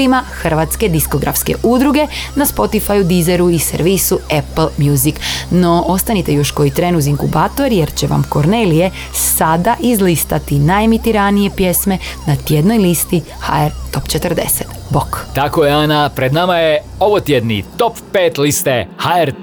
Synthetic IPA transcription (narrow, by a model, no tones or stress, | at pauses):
imaxrʋat̪ske̞d̪isko̞ɡɾʔa̰fske̞̰ʔud̪ɾuɡe̞naspo̞t̪ifajud̪izeɾuisḛɾʋisuepl̩ˠmjuːzikno̞ʔo̞st̪anit̪e̞jo̞ʃko̞jit̪ɾeːnuziŋkṵbaːt̪o̞ɾjeɾt͡ɕe̞ʋa̰mko̞ɾnelije̞ | sad̪aʔizlist̪at̪inajemit̪iɾanije̞pje̞sme̞nat̪je̞d̪no̞jlist̪i | ha̰eɾt̪o̞pt͡ʃet̪ərd̪e̞̰se̥t̪bokt̪akojeaːnapɾed̪namaje | oʋot̪jed̪nḭt̪o̞pːeːt̪list̪ehaeɾ